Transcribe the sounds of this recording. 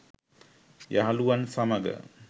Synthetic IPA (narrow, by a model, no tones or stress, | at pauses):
jaɦaluʋansaməɡə̰